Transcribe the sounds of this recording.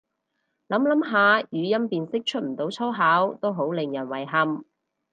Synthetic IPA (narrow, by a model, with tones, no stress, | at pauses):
lɐ˨˥mlɐ˨˥mɦaː˨˧jyː˨˧jɐ˥mpiː˨nsɪ˥k̚t͡ʃʰɵ˥t̚m̩˨˩t̪o˨˥wt͡sʰɐ˥wɦaː˨˥wt̪o˥wɦo˨˥wlɪ˨ŋjɐ˨˩nwɐ˨˩jɦɐ˧m